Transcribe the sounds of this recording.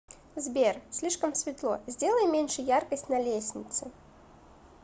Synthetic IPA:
zʲbʲersʲlʲiʂkɐmsʲvʲɪt̪lˠɔ̰zʲdʲelˠəjɛmʲenʲʂɨjarkəsʲtʲnɐlʲesʲnʲɪt̪sɨ

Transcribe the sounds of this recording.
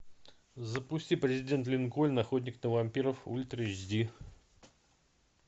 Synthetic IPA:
zəpʊsʲtʲipɾʲɪzʲɪdʲe̞nt̪lʲɪnkolʲnaxot̪ʲnʲɪknəvamʲpʲiɾəfṵlʲt̪ɾʲed͡ʒd̪ʲi

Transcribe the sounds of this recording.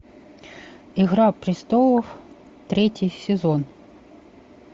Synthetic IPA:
iɣɾapɾʲɪst̪ɔlˠɔw | t̪ɾʲɛtʲijsʲezɔn

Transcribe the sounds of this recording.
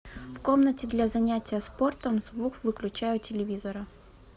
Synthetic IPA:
fkomnətʲɪd̪lʲazɐnʲætʲɪjəspo̞rt̪əmzvuxvɨklʲʉt͡ɕæjʊtʲɪlʲɪvʲizəɾɐ

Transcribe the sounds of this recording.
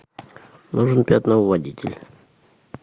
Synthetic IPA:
nuʐɨnpʲat̪ʲnəvadʲitʲɪ̰lʲ

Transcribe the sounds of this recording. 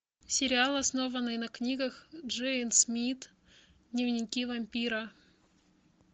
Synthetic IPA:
sʲɪɾʲɪalˠɐsno̞vənːɨjnɐknʲiɡəxʐɛɪnsmʲit̪ | d̪nʲɪvnʲɪkʲivɐmʲpʲiɾə

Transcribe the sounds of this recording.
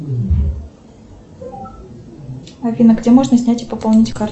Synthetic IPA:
ɐvʲinəɡdʲemoʐnəsʲnʲætʲɪpəpɐlˠnʲitʲkar

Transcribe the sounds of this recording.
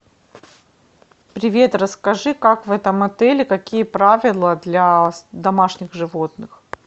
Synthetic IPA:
pɾʲɪvʲe̞t̪ɾəskɐʐɨkakvɛt̪əmɐt̪ɛlʲɪkɐkʲijəpɾavʲɪlˠəd̪lʲɐd̪ɐmaʂnʲɪɣʐɨvo̞t̪nɨx

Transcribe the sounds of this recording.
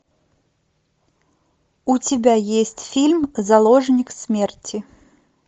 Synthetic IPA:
ut͡sʲɪbʲajesʲtʲfʲilʲmzɐlˠɔʐnʲɪksʲmʲert͡sʲɪ

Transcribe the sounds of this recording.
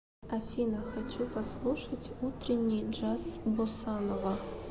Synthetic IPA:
afʲinaxat͡ʃʷʰupʰaslˠuʂɐtʲʰʼutʰrinʲːid͡ʒasbosanova

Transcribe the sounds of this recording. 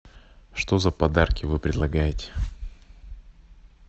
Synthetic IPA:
ʂt̪ozəpɐd̪arkʲɪvɨpɾʲɪd̪lˠɐɡajɪtʲɪ̥

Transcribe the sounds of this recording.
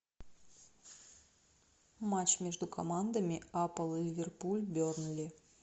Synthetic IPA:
mat͡ɕmʲeʐd̪ʊkʰɐmand̪əmʲɪapəlˠɨlʲivʲerpulʲbʲornlʲi

